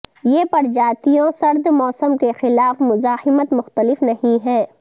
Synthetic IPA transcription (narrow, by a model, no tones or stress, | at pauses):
jeːpɐɾd͡ʒaːt̪ijõsɐɾd̪mɔːsəmkexɪlaːfmʊzaːhɪmət̪mʊxt̪əlɪfnɐɦĩɦɛ̃ː